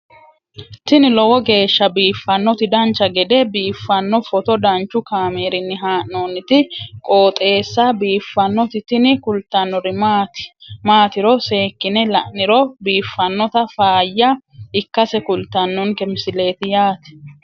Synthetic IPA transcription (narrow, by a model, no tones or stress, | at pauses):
t̪ɪnɪlɔwɔɡe̞ːʃːɐbiːfːɐnːɔt̪ɪd̪ɐnt͡ʃːɐɡɛd̪ɛbiːfːɐnːɔfɔt̪ɔd̪ɐnt͡ʃːʊkaːmeːɾɪnːɪɦaːʔːoːnːɪt̪ɪkʼo̞ːt̪ʼe̞ːsːabiːfːɐnːɔt̪ɪt̪ɪnɪkʊlt̪ːɐnːɔɾɪmːt̪maːt̪ɪɾɔse̞ːkːɪnɛlɐ̰ʔɪɾɔbiːfːɐnːɔt̪ɐfaːjːɐɪkːɐsɛkʊlt̪ːɐnːɔŋkɛmɪsɪle̞ːt̪ɪjaːt̪ɛ̥